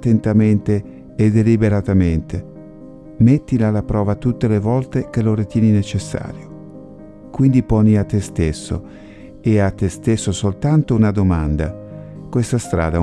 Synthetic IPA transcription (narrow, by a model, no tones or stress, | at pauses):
t̪ːent̪ament̪eː | d̪elibeɾat̪ament̪ʰe | met̪ːilalapɾɔːvat̪ut̪ːelevɔlt̪ekeloɾit̪jɛːninet͡ʃesːa̰ːɾjo | kwind̪ipɔniat̪ːest̪esːo̰ | eat̪ːest̪esːosolt̪ant̪ounad̪omand̪a̰kwest̪ast̪ɾa̰ːd̪a